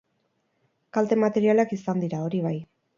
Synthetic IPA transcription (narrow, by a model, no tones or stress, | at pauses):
kalt̪e̞mat̪e̞ɾialakisand̪iɾao̞ɾiβ̞aj